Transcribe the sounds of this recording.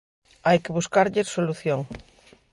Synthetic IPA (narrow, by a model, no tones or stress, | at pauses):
ajkeβuskaɾʎeɾsoluθjoŋ